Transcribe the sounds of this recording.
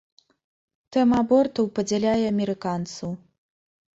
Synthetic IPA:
t̪ɛmɐabɔrt̪ɐwpɐd͡zʲɛlʲajɛɐmʲɛɾɨkant̪sɐw

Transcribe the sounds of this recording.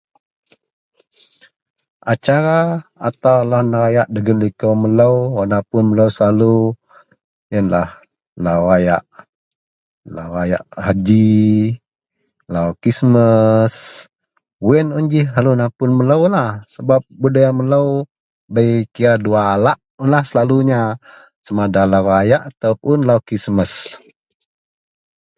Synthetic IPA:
ʔat͡ʃaɾaat̪awlanəɾajaʔdəɡənlikomələwanapʊnmələwsalu | jənlah | lawaja̰ʔ | lawaja̰ʔhad͡ʒi | lawkisməs | wɛnund͡ʒɪhɦalunapʊnmələwlahsəbap̚budajamələw | bəjkiaduaːlaʔ | ʊnlahsəlaluɲa | samadalawajaʔat̪awpʊnlawkisməs

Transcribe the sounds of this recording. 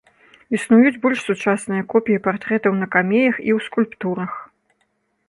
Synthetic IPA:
isnujud͡zʲbɔlʲʂsut͡ʂasnɨjɐkɔpʲijipart̪ɾɛt̪ɐwnɐkamʲejɐxḭwskulʲpt̪uɾɐx

